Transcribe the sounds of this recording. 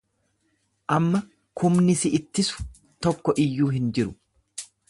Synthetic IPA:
ʔɐmːɐ | kʰʊmnɪsɪɪt̪ːɪsʊ̥ | t̪ɔkːɔʔɪjːuːɦɪnd͡ʒɪɾʊ̥

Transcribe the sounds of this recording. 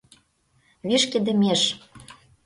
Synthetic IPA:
βiʃkĕd̪ɘ̆meʃ

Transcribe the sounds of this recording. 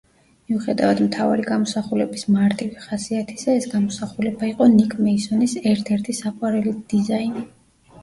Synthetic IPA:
miuχɛd̪avad̪mt̪ʰava̰ɾiɡamɔsaχulɛbismaɾt̪ʼiviχasiat̪ʰisaɛsɡamɔsaχulɛbaiqʼɔnikʼʰmɛisɔnisɛɾt̪ʰɛɾt̪ʰisaqʼwaɾɛlid̪̥izaini

